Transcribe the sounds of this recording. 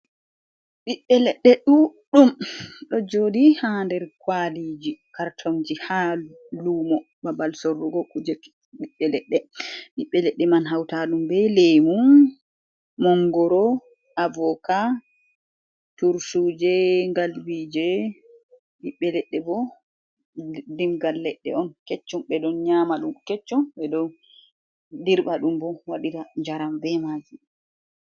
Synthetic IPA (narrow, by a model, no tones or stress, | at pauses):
ɓiɓːɛlɛɗːɛɗuɗumɗɔd͡ʒoːdihandɛɾkwalid͡ʒikaɾtʰɔŋd͡ʒiha | luːmɔ | babalsoɾːuɡɔkud͡ʒɛ | ɗiɓːɛlɛɗːɛɓiɓːɛlɛɗːɛmanɦawtaɗumbɛlemum | mɔŋɡɔɾɔ | avɔka | tuɾsud͡ʒɛŋɡalwid͡ʒɛ | ɗiɓːɛlɛɗːɛbɔ | dimɡalːɛɗːɛ̰ɔnkɛt͡ʃːɔmɓɛdɔnɲamaɗumkɛt͡ʃːɔmɓɛdɔ | diɾɓaɗumbɔwaɗitaɲd͡ʒaɾambɛmad͡ʒi